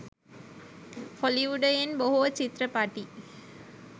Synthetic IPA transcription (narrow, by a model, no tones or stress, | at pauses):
hɔliʋuɖɐjɪnbɐɦuʋɐt͡ʃit̪ɾɐpaːʈːi